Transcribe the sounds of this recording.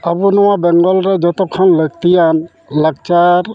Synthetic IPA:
abunʊwabɛŋɡɔlɹɛd͡ʒɔt̪ɔkʰːɔnlək̚t̪ijan | laɡ̚t͡ʃaɾ

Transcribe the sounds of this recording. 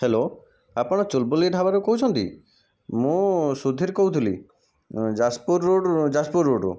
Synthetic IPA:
helo | apɔɽ̃ɔt͡ʃolbolieʈabaɾokɔɦut͡ʃʰɔnt̪ḭ | mũsud̪ʱiɾkɔɦut̪ʰilḭ | d͡ʒaspuɾoɖd͡ʒaspuɾoɖṵ

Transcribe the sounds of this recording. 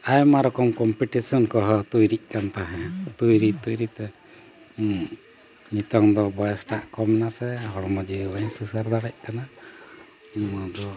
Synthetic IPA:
ajmaɾɔkɔmkɔmpiʈisɔnkɔɦɔt̪ujɾic̚ˀkant̪aɦɛ̃t̪ujɾit̪ujɾit̪ɛ | ɲit̪ɔŋd̪ɔbɔjɛsʈaʔkɔmɛnasɛɦɔɽmɔd͡ʒiwaɲsusaɾd̪aɽɛc̚ˀkana | iɲmɔd̪ɔ

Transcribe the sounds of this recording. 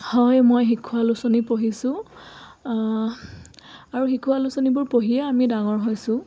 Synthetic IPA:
hɔjmojɦikʰualusonipoɦisʊ̃ | aɹuɦikʰualusonibʊɹpoɦiɛamidaŋɔɹɦojsʊ̃

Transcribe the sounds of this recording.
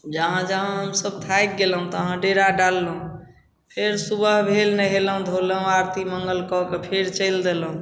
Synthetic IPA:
d͡ʒəɦãd͡ʒəɦãɦəmsəb̚t̪ʰajk̪̚ɡelɦũt̪əɦãɖeɾaɖalːəɦũ | pʰeɾsubəɦbʱelnəɦeləɦũd̪ʱoləɦũaɾt̪iməŋɡəlkɔkepʰeɾt͡ʃəɪld̪eləɦũ

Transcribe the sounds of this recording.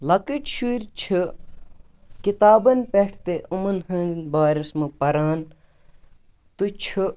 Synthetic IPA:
lɐkit͡ʃʃuɾʲt͡ʃʰɨ | kit̪aːbɐnpeʈʰt̪eʔumɐnɦɐnbaːɾɐsmɨpɐɾaːn | t̪ut͡ʃʰu

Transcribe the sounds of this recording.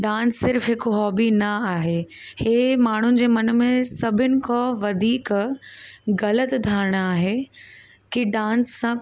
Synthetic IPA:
ɖãːnsːɪɾfɦɪkɦɔːbinɐaːɦeː | heːmaːɳ̤ʊnɪ̆d͡ʑeːmɐnə̆mẽsɐbʱʊnɪ̆kʰoʋɐd̪ʱiːk | ɣɐlət̪d̪ʱaːɾɪɽ̃aːɦeː | kiɖãːnsːã

